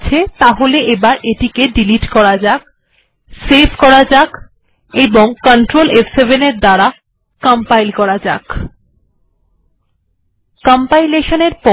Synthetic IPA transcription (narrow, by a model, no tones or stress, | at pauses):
t͡ɕʰet̪aɦoleʔebaɾʔeʈikeɖiliʈkɔɾad͡ʑak̚ | sebkɔɾad͡ʑak | eboŋkɔɳʈɾolefsebʱeneɾd̪aɾa | kampajlkɔɾad͡ʑa̰k | kɔmpajleʃoneɾpɔ